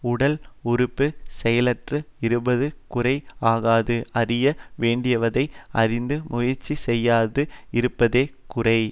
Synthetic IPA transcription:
ʊɽɐlʊɾʊpːɯsɛjɐlɐʈrɯɪɾɯbɐðɯkʊrɐɪaːɣaːðɯɐrɪjɐʋeːɳɖɪjɐʋɐðɐɪɐ̰rɪnd̪ɯmʔʊjɐɾt͡ʃːisɛjːaːðɯɪɾɯpːɐðeː | kʊrɐɪ

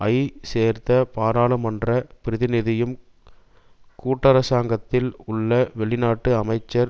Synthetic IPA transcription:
ʔɐɪseːɾt̪ɐpaːɾaːɭɯmɐndrɐpɪɾɪðɪnɪðɪjɯm | kuːʈːɐɾɐsaːŋɡɐt̪ːɪlʊɭːɐʋɛɭɪnaːʈːɯɐmɐɪt͡ʃːɐɾ

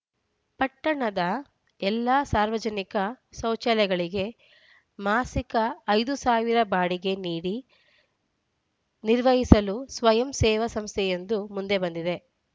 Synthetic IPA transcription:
pɐʈːɐɳɐd̪ɐ | ɛlːasaːɾʋɐd͡ʒɐnikɐsɐwt͡ʃɐljɐɡɐɭiɡe̞ | maːsikɐɐjd̪usaːʋiɾɐbaːɽiɡe̞niːɽi | niɾʋɐɦisɐlusʋɐjɐmsɛːʋɐsɐmst̪ʰɛjend̪umund̪e̞bɐnd̪id̪e̞

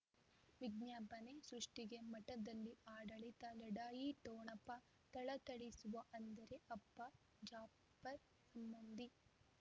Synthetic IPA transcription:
ʋiɡɲaːpɐnesɾuʂʈiɡe̞mɐʈɐd̪ɐlːiaːɽɐɭit̪ɐlɐɽaːjit̪oːɳɐpɐ | t̪ɐɭɐt̪ɐɭisuʋɐʔɐnd̪ɐɾe̞ʔɐpːɐ | d͡ʒaː | pːɐɾ | sɐmbɐnd̪i

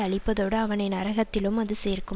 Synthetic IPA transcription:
ɐɭɪpːɐðoːɽɯɐʋɐnɐɪnɐɾɐɣɐt̪ːɪlɯmɐðɯseːrkɯ

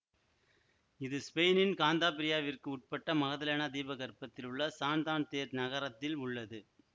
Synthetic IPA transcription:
ɪðɯspejnɪnkaːnd̪aːpɪɾɪjaːʋɪrkɯʊʈ̚pɐʈːɐmɐɣɐðɐleːnad̪iːbɐɣɐrpɐt̪ːɪlɯɭːɐsaːnd̪aːnt̪eːɾnɐɣɐɾɐt̪ːɪlʊɭːɐðɯ

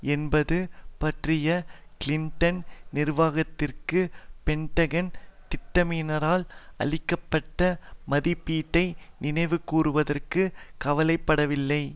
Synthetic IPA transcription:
ɛnbɐðɯpɐʈrɪjɐ | kɪlɪɳʈɐnnɪrʋaːɣɐt̪ːɪrkɯpɛɳʈɐɣɐnt̪ɪʈːɐmiːnɐɾaːlɐ̰ɭɪkːɐpːɐʈːɐmɐðɪpːiːʈːɐɪnɪnɐɪʋɯkːuːɾɯʋɐðɐrkɯkɐʋɐlɐɪpːɐɽɐʋɪlːɐɪ

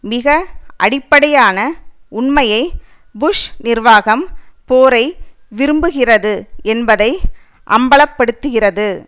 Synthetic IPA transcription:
mɪɣɐʔɐɽɪpːɐɽɐjaːnɐʊɳmɐjɐɪ | bʊʂnɪrʋaːɣɐmpoːɾɐɪ | ʋɪɾɯmbɯɣɪrɐðɯɛnbɐðɐɪ | ʔɐ̰mbɐɭɐpːɐɽɯt̪ːɯɣɪrɐðɯ

